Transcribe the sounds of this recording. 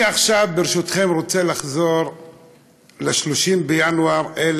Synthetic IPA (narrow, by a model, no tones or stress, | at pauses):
aχʃavbeʁeʃut̪χe̞mʁot͡se̞laχzo̞ʁ | leʃloʃimbejanuaʁel